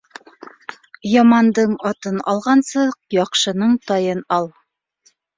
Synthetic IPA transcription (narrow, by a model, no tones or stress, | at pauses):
jɑmɑnd̪ɤɴɑt̪ɤnɑlˠʁɑnsɤq̚jɑqʃɤ̆nɤɴt̪ɑjɤnɑlˠ